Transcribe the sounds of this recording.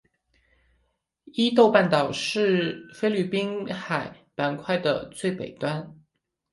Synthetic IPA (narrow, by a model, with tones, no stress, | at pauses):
i˥t̪o˥˧ʊpa˥˩nt̪ɑ˨˩ʊʂɻ̩˥˩fe˥ɪly˥˩pi˥nxa˨˩ɪ | pa˧˥nkʰwa˥˩ɪd̪ə̰˩t͡swe˥˩ɪpe˨˩ɪt̪wa˥n